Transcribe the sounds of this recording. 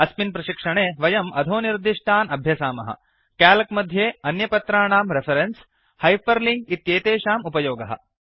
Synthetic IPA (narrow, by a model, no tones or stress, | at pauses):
ɐspinpɾɐʃikʂɐɳeːʋɐjɐmɐ̰d̪ʱoːniɾd̪iʂʈʰaːnɐbʱjɐsaːmɐ̰ɦɐ̰ | kaːlɐkmɐd̪ʱjeːɐnjɐpɐt̪ɾaːɳaːmɾefʰɐɾens | hɐjpɐɾliŋɡit̪jeːt̪eːʃaːmupɐjoːɡɐɦɐ̰